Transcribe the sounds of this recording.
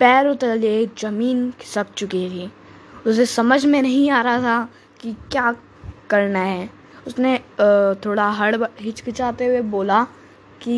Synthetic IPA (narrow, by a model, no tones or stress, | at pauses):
pɛːɾot̪əled͡ʒɐmiːnkɪ̥sɐk̚t͡ʃʊket̪iː | ʊsesɐməd͡ʒʱmẽnɐɦĩaːɾɐɦat̪ʰa | kikjaː | kɐɾnaɦɛː | ʊsnet̪ʰoːɽaɦɐɽɦɪt͡ʃkɪt͡ʃaːt̪eweboːla | ki